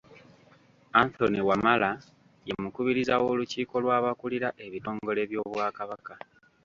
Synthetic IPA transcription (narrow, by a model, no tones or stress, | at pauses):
anθo̞niwamala | je̞mukuβiɾizawo̞luciːko̞lwaːβakuliɾaʔe̞βito̞ːŋɡo̞le̞βjo̞ːβwaːkaβaka